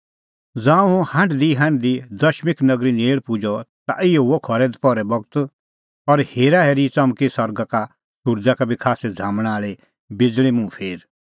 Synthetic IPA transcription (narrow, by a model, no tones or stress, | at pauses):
d͡zãːũũhɐ̃ɳɖd̪iɦɐ̃ɳɖd̪id̪ɐʃmɪknɐɡɾineːɭpʊd͡ʒɔt̪a̰ʔɪjɔuɔkʰɔɾɛd̪pɔɾɛbɔɡt̪ | ɔɾheːɾaɦɛɾit͡sɐmkisɔɾɡaka | ʃuɾd͡zakabʱikʰaːsɛd͡zʱãːmɽ̃aːɭe | bɪd͡zɭ̃imũpʰeːɾ